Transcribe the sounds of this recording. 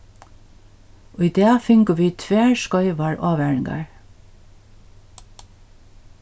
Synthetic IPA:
ʔoːiːd̪eːfʏŋkəʋiːt̪ʰʋeːʃkœʏʋɑɹʔɑːʋæɳɪŋɡɑ̰ɹ

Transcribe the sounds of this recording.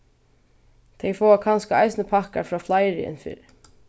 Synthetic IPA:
t̪ʰɛjfɔːakʰanskaajsnəpʰahkaɾfɾɔːflajɾɪɪ̰nfḭːɾɪ

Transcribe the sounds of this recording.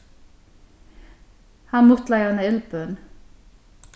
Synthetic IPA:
hanmʊht̪lajœnaɪlpœn

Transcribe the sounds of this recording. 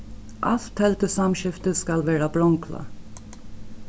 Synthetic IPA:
ʔɑ̰lt̪ʰɛlt̪əsɑmʃɪft̪əskɑlʋæːɾɑbɾɔŋkʰlɑ̰

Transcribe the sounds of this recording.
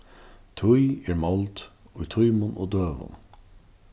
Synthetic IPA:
t̪ʰʊjɛɹmɔlt̪ | ʊjt̪ʰʊjmʊnoːd̪øːʋʊ̰n

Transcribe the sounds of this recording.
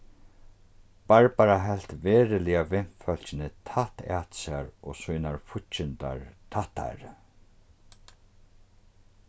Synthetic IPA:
baɹpaɾaɦɛl̥t̪veːɾɪlɪavɪn̥fœl̥t͡ʃɪnɪt̪ʰaht̪a̰t̪saɹɔːsujnaɹfʊt͡ʃɪnt̪a̰ɹt̪ʰaht̪ʰːa̰ɾ

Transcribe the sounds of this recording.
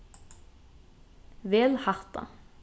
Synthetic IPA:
ʋeːlhɑʁt̪ɑ̰

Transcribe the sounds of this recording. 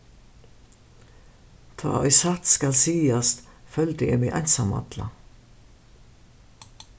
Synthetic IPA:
t̪ʰa̰ːʔɔʏsat̪skalsiːast̪fœlt̪ɪɪɾmɪʔæ̰jnsama̰t̪la̰

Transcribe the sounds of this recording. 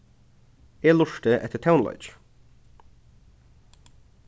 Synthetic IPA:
jeːlʊʃʈəʔɛ̰t̪ʰətʰaʊnlɔ̰ʏʃ

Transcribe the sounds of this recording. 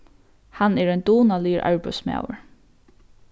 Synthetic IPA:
hanɛɹɛjnd̪uːnaliːɹʔa̰ɹpʏ̰sma̰ːwə̰ɹ

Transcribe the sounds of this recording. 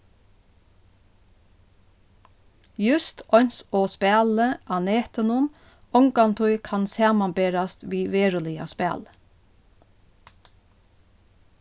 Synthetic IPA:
jʉst̪ɔnsoːspæːləʔɑneːt̪ənʊm | ɔŋkɑnt̪ʰʊʏkʰɑnsɑːmɑnbeːɾɑst̪ʋiːʋeːɹʊlɪɑ̰spæ̰ːl

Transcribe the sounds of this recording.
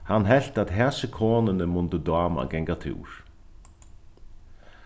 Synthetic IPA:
hanːɦɛl̥t̪at̪ɦɛsəkʰoːnənəmʊnt̪əd̪aːma̰ɡɛŋkat̪ʰɪ̰ːɾ

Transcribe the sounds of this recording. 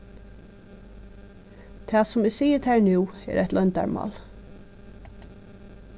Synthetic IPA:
t̪ʰɑːsʊmɪsiːjət̪ʰæɹnuːɛ̰ɾæ̰t̪lɔnt̪a̰ɹmɑ̰ːl

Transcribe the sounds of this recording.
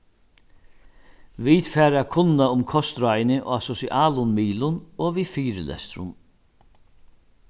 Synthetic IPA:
vit̪fɛːɾakʰʊnːaʊmkʰɔst̪ɾajnɪʔɔasɔsiʔaːlʊnmiːlʊnɔːʋifiːɾɪ̰lɛ̰st̪ɾʊ̰n

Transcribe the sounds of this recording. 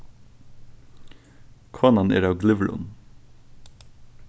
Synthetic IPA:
kʰɑːnɑnḛːɾɑːʋɡlɪʋlʊ̰n

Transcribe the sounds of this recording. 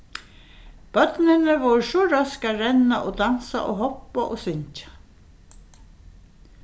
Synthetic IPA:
b̥œt̪nɪnəʋɔɾʂɔɾœskaɾɛnaʔod̪ansa̰ʔoːɦɔpːaʔoːsʏɲt͡ʃḁ

